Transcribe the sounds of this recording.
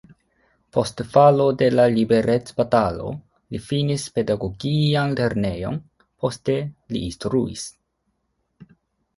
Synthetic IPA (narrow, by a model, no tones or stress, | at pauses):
po̞stfalo̞de̞lalibe̞ɾʔet͡sb̥atalo̞̰ | lifinispe̞daɡo̞ɡianle̞ɾne̞jo̞̰n | po̞ste̞lḭːnstɾuḭs